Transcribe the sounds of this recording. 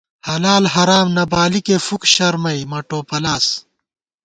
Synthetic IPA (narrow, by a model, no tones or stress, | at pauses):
hɐlaːlɦɐɾaːmnɐbaːlikeːfukɕɐɾmɐimɐʈoːpɐlaːs